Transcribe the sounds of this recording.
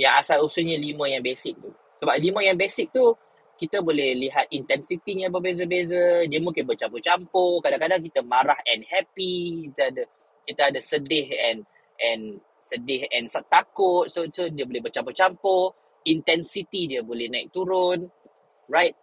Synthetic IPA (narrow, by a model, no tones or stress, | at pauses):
jaŋasalusuɲalimə̃jãŋbesɪk̚t̪u | səbap̚limə̃jãŋbesɪk̚t̪u | kit̪əbolɛhliɦat̪̚int̪ɛnsit̪iɲãbəbezəbezədiəmũŋkɪnbət͡ʃampot͡ʃampokadaŋkadaŋk̬it̪əmaɾahɛnhɛpikit̪əadə | kit̪əadasədɪhɛn | ʔɛ̃n | sədɪhɛnsat̪akʊt̪̚sosodiəbolɛɦbət͡ʃampot͡ʃampo | int̪ɛnsit̪idiəbolɛhnãɪ̰k̚t̪uɾʊn | rajt̪̚